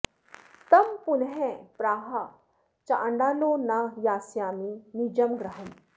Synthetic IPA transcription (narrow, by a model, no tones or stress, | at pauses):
t̪ɐmpʊnɦẽpɾaːɦa | t͡ʃaʔəɳɖaːloːnajaːsjaːminid͡ʒɐmɡɾɐɦəm